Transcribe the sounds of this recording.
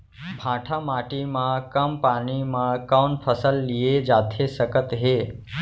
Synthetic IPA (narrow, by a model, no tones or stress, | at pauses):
bʱãʈʰamaːʈimãkəmpaːnimãkawnpʰəsəlːijed͡ʒaːt̪ʰesəkət̪ɦe